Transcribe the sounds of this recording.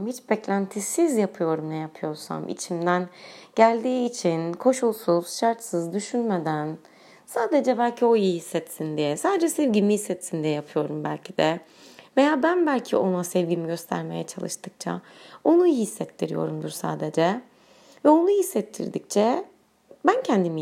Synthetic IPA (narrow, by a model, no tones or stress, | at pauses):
mhit͡ʃbɛclʲænt̪ʰisizjapʰɯjo̞ɾumnɛjapʰɯjo̞ɾsa̰mḭt͡ʃʰimd̪ænɟ̥ælʲd̪iːt͡ʃʰinkʰo̞ʃulˠsuz̥ʃaɾt̪sɯzd̪yʃynmed̪æn | saːd̪e̞d͡ʒɛbælʲcʰio̞jihisːɛt̪sind̪ijɛsaːd̪ed͡ʒɛsɛvɟimihisːɛt̪sind̪ijɛjapʰɯjo̞ɾumbælʲcʰid̪ɛ | ve̞jaːbænbælʲcʰḭo̞nasɛvɟimiɟø̞st̪ʰæ̰ɾme̞jɛt͡ʃʰa̰lˠɯ̰ʃt̪ʰɯk̚t͡ʃʰa̰o̞nujihisːɛt̪ʰːiɾḭjo̞̰ɾumd̪uɾsa̰ːd̪ed͡ʒɛ | vɛo̞nuhisːɛt̪ʰːḭɾd̪ic̚t͡ʃʰɛ | bæncʰɛnd̪imi